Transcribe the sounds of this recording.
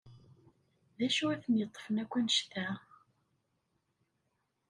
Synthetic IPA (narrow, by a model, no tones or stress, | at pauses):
ðæʃuæθənjət̪ˤːfənækʷːænʃθæ